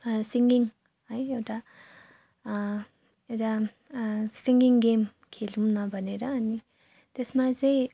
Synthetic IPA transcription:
siŋɡiŋ | ɦəjewʈa | ewʈa | siŋɡiŋɡem | kʰelunabʱʌneɾʌːni | t̪esmad͡zʌj̃

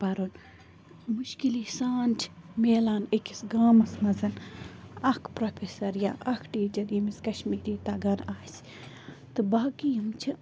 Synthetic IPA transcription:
pɐɾoːn | muʃkiliːsaːnt͡ʃʰmeːlaːnekisɡaːmɐsmɐzɐn | ɐkʰpɾopʰesɐɾja̰ːɐkʰʈiːd͡ʒɐd̪imiskɐʃmiːɾiːt̪aːɡɐɾaːs | t̪ɨbaːkijɐmt͡ʃʰi

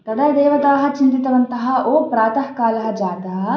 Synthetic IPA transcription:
t̪ɐd̪ɐd̪ɛːʋɐt̪aːɦɐ̆t͡ʃint̪it̪ɐʋɐnt̪ɐɦɐʔoːpɾaːt̪ɐɦkaːlɐɦɐd͡ʒaːt̪ɐɦɐ

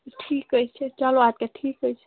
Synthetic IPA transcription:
ʈʰikɦojt͡ʃʰɛt͡ʃaloat̪̚keʈʰiːkɦojt͡ʃʰɛ̥

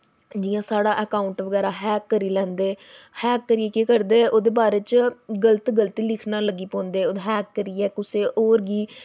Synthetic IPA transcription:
d͡ʒiːjãːsaːɽaːʔəkaːʊɳʈʋəɡɛːɾaːɦɛːkːəɾiːlɛ̃ːnd̪eːhɛːkːəɾiːeːkeːkəɾd̪eːʔoːd̪eːbaːɾeːt͡ʃɡələt̪ɡəlt̪iːlɪkʰnãːləɡiːpõːnd̪eːoːd̪ɦɛːkːəɾiːɛːkʊseːʔoːɾɡiː

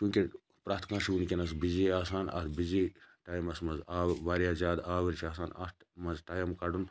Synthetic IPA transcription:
kʲũːkʲi | pɾaːt̪ʰkãːʃunʲkʲenɐsbiziaːsaːnɐ̰ɾbiziʈaːjmɐsmɐzaːʋaːɾjaːzaːd̪aːʋɐɾt͡ʃʰaːsaːnɐ̰ | mɐzʈaːjɐmkɐɖun

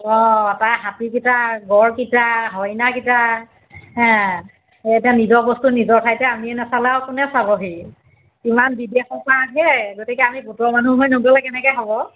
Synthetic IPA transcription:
ɔataɦatik̬itaɡɔɹkitaɦɔjnakita | ɦɛ̃ | etianizɔbɔstunizɔɹtʰajtɛamiɛnɛsalawkʊnɛsaβɔɦi | imanbidexɔpakɛɡotikɛamibutɔmanuɦɔjnoɡɔlɛkɛnɛkɛjɦɔbɔ

